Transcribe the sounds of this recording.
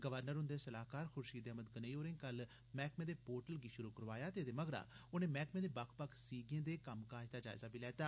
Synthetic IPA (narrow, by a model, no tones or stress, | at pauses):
ɡəʋəɾnəɾɦʊ̃nd̪eːsəlaːkaːɾxʰʊɾʃiːd̪eəməd̪ɡəneioːɾẽːkəl | mɛːkmẽːd̪eːpoːɾʈəlɡiːʃʊɾuːkəɾʋaːjaːt̪eːd̪eːməɡɾa̰ːʊnẽːmɛːkmẽːd̪eːbakʰpəkʰsiːɡẽːd̪eːkəmkaːd͡ʒt̪aːd͡ʒa̰ːɪzaːbʱiːlɛːt̪aː